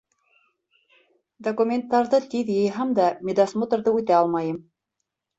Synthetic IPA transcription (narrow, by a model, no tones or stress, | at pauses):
d̪okumʲent̪ːɑɾðɤt̪iðjɤ̆jɦɑmd̪ɑmʲed̪asmot̪ŏɾðɤʉt̪æɑlˠmɑjɤm